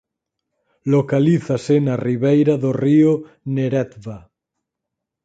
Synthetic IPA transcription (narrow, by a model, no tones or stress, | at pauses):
lokaliθasenariβejɾaðorio | neɾɛt̪βa